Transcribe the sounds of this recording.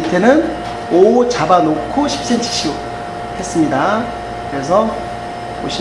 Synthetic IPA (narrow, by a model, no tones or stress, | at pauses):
tʰe̞nɯn | ot͡ɕabanokʰoɕʰi̥p̚s͈ent͡ɕʰi̥ɕ͈ʰio | he̞s͈ɯmɲida | kɯɾe̞s̬ʰʌ | o̰ɕʰ